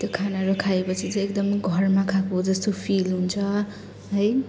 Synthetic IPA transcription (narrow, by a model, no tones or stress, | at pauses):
t̪jokʰanaɾokʰaepʌt͡sʰit͡sʌ̃ekd̪ʌmɡʱʌrmakʰakod͡zʌst̪opʰilɦunt͡sʰʌ | ɦʌj